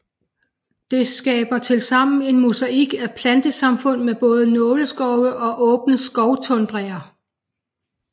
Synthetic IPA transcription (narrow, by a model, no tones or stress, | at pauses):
d̥e̝sɡ̥ɛːb̥ɐt͡sʰe̝lsɑ̈m̰n̩e̝nmusæʔiɡ̥æpʰlænd̥əsɑ̈mfɔ̽n̰meb̥ɔ̽ːð̞ˠənɔ̽ːləsɡ̥ɒʊəʔɒ̽ʔɔ̽ːb̥nəsɡ̥ɒʊt͡sʰɔ̽nd̥ʁeŋɐ